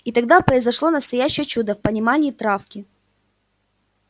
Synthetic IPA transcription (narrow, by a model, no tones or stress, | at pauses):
it̪ɐɡd̪apɾəɪzɐʂlˠo̞nəst̪ɐjæɕːɪjət͡ɕud̪əfpənʲɪmanʲɪːt̪ɾafkʲɪ